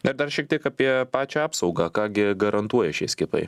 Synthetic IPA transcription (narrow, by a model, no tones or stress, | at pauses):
nɪɾd̪ɐrʃʲiɛkt̪ʲiɛkɐpʲiɛpɑːt͡ʃʲɛɑːpsɐʊɡɑːkɑːɡʲɪɡɐɾɐnt̪uɔjɛʃʲɛsʲkʲɪpɐ̰ɪ